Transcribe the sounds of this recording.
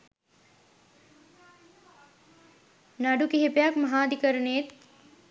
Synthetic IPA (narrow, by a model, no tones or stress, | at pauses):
naɖukeɦepejakmɐɦaːd̪ikəɾəɳeet̪